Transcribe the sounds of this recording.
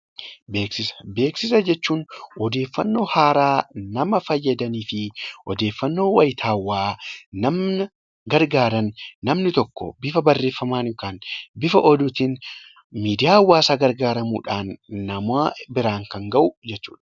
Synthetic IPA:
beːksɪsbe̞ːksɪsɐd͡ʒɛt͡ʃːuːnɔd̪e̞ːfːɐnːo̞ːhaːɾaːnɐmɐfɐjːɐd̪ɐniːfɪʔɔd̪eːfːɐnːo̞ːwɐjɪt̪ʰaːwːaːnɐmnɐ | ɡɐɾɡaːɾɐnːɐmnɪt̪ɔkːɔ̰bɪfɐbɐrːeːfːɐmaːnŋkaːnbɪfɐʔɔd̪ʊt̪in | miːd̪ɪjaːwːaːsaːɡɐɾɡaːɾɐmṵːᶑaːnːɐmabɪɾaːŋkɐŋɡɐʔʊd͡ʒɛt͡ʃːuːᶑɐ̥

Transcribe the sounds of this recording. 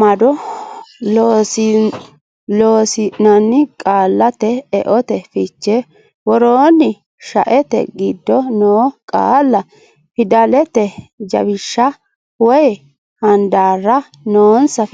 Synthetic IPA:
mɐd̪ɔ | loːsɪ | loːsɪnɐnːɪkʼaːlːɐt̪ɛːʔɔt̪ɛfɪt͡ʃːɛ | wɔɾoːnːɪ | ʃɐ̰ʔɛt̪ɛ̰ɡɪd̪ːɔnoːkʼa̰ːlːɐ | pɪd̪ɐlɛt̪ɛd͡ʒɐ̰bɪʃːɐ | wɔj | hɐnd̪aːrːɐ | noːnsɐ

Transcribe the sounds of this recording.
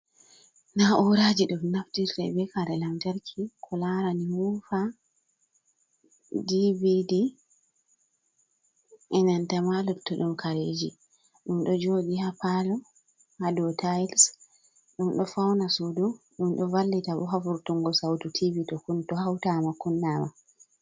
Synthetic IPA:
naʔuwɾad͡ʒiɗumnaftiɾɛbɛkaɾɛlamtaɾkʰikʰɔlaɾaniwufa | dividi | ʔɛnantamalutɔɗumkʰaɾed͡ʒi | ɗumɗɔd͡ʒodihapalɔ | hadɔtʰajls | ɗumɗɔfawnasudu | ɗumɗɔvalːitabɔɦafuɾtuŋɡɔsawtutʰivitɔkuntɔhawtamakunːama

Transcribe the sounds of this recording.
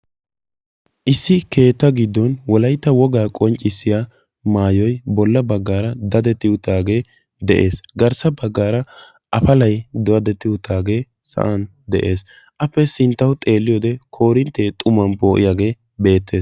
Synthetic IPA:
ʔɪsːɪke̞ːt̪ːɐɡɪd̪ːɔnwɔlɐjt̪ːɐwɔɡaːkʼɔnt͡ʃʼːɪsːɪja | maːjɔjbɔlːɐbɐɡːaːɾɐd̪ɐd̪ɛt̪ːɪʊt̪ːaːɡe̞ː | d̪ɛʔe̞ːsɡɐɾsɐbɐɡːaːɾɐ | ʔɐfɐlɐjd̪ɔɐd̪ɛt̪ːɪʊt̪ːaːɡe̞ː | sɐ̰ʔɐn | d̪ɛʔe̞ːs | ʔɐpːɛsɪnt̪ːɐwʊt̪ʼe̞ːlːɪjɔːd̪ɛkʰo̞ːɾɪnt̪ːet̪ʼʊmːɐnpo̞ːʔɪjaːɡe̞ː | be̞ːt̪ːe̞ːs

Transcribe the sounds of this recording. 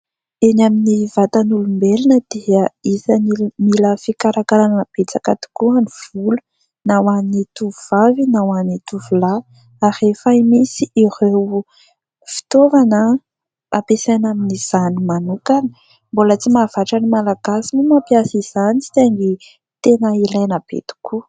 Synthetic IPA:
enaminivat̪anulumbelinəd̪̥eəizanimiləfikaɾakaɾanb̥et͡sakat̪i̥kuaniv̥ulu | nawanit̪uvuvavinawanit̪uvula | aɾefaimisiʔirew | fi̥t̪ovanə | apesanaminiz̥animanukani̥ | mbolət͡simav̥aʈ͡ʂanimalaɡ̥asimumapjasiz̥anii̥t̪eŋɡi | t̪enəilajnab̥ḛt̪u̥ku

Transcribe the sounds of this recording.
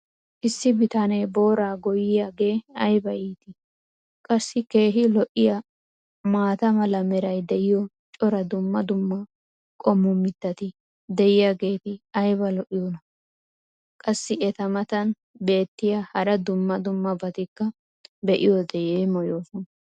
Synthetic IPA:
ʔɪsːɪbɪt̪anɛjbo̞ːɾaːɡɔjɪjaːɡe̞ːɐjbɐjiːt̪ɪ | kʼɐsːɪke̞ːɦɪlɔʔɪja | maːt̪ɐmɐlɐmɛɾɐjd̪ɛʔɪjɔ | t͡ʃʼɔɾɐd̪ʊmːɐd̪ʊmːɐ | kʼɔmːʊmːɪt̪ːɐt̪ɪ | d̪ɛjɪjaːɡe̞ːt̪ɪɐjbɐlɔʔɪjoːnɐ | kʼɐsːɪɛt̪ɐmɐt̪ɐn | be̞ːt̪ːɪjahɐɾɐd̪ʊmːɐd̪ʊmːɐbɐt̪ɪkːɐ | bɛʔɪjɔd̪ɛjeːmɔjo̞ːsɔnɐ

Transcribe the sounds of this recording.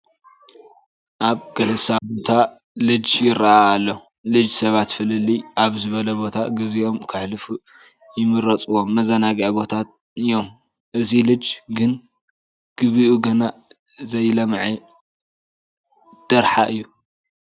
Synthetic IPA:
ʔaβɡɐlɐsabot̪ʰa | lɨd͡ʒjɪɾaaːlːɐ | lɨd͡ʒsɐβat̪fɨlɨlːiʔaβzɨβɐlɐbo̞t̪ʰaɡɨziʔo̞mkʰɨħlɨfu | jɪmɨɾɐt͡sʼɨwo̞mːɐzɐnaɡiʕbo̞t̪ʰat̪̚ | ɨjːo̞m | ʔɨzilɨd͡ʒɡɨn | ɡ̥ɨβiʔuɡɐna | zɐjlɐmʕi | d̪̥ɐɾħaʔɨjːu

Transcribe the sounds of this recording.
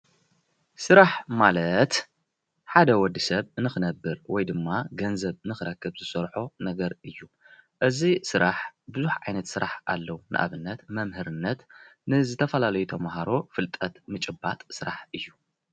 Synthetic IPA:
sɨɾaħmalɐt̪ | ħad̪ɐwɔd̪isɐβɨnɨxɨnɐbːɨɾwɔjd̪ɨmːaɡɐnzɐβɨnɨxɨɾɐkʰːɨbzɨsɐɾħonɐɡɐɾɨjːu | ʔɨzisɨɾaħbɨzuħʕajnɐt̪sɨɾaħʔalːɐwunʔɨ̰ʔa̰βɨnːɐt̪mɐmhɨɾɨnːɐt̪nɨzɨt̪ʰɐfɐlalɐjut̪ʰɐmaɦaɾo̞fɨlt̪ʼɐt̪mɨt͡ʃʼɨbːat̪ʼsɨɾaħʔɨjːu

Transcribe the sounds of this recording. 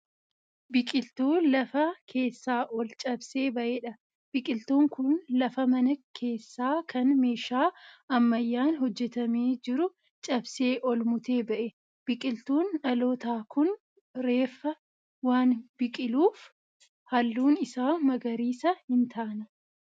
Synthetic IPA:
bɪkʼɪlt̪uːlɐfɐkʰe̞ːsːaːʔɔlt͡ʃʼɐbse̞ːbɐʔeːᶑɐ | b̥ɪkʼɪlt̪uːŋkʊnlɐfɐmɐnɐkʰe̞ːsːaːkɐnme̞ːʃaːɐmːɐjːaːnɦɔd͡ʒːɛt̪ɐmeːd͡ʒɪɾʊ | t͡ʃʼɐbse̞ːʔɔlmʊt̪e̞ːbɐʔɛ | b̥ɪkʼɪlt̪uːnᶑɐloːt̪aːkʊn | ɾe̞ːfːɐ | waːnbɪkʼɪluːf | hɐlːuːnɪsaːmɐɡɐɾiːsɐhɪnt̪ʰaːnɐ

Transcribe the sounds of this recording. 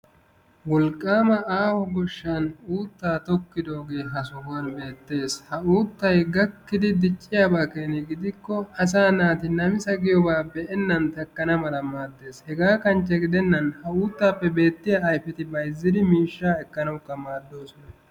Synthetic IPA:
wɔlkʼːaːmɐaːhɔɡɔʃːanuːt̪ːaːt̪ɔkːɪd̪o̞ːɡe̞ːɦɐsʊhɐnbe̞ːt̪ːe̞ːshɐuːt̪ːɐjɡɐkːɪd̪ɪd̪ɪt͡ʃʼːɪjaːbaːkeːnɪɡɪd̪ɪkːɔɐs̬aːnaːt̪ɪnɐmɪsɐɡɪjɔbaːpːɛɛnːɐnt̪ɐkːɐnɐmɐlɐmaːd̪ːe̞ːshɛɡaːkɐnt͡ʃːɛɡɪd̪ɛnːɐnhɐuːt̪ːaːpːɛbe̞ːt̪ːɪjaːjfɛt̪ɪbɐjzːɪd̪ɪmiːʃːaːɛkːɐnɐwkːɐmaːd̪ːo̞ːsɔnɐ

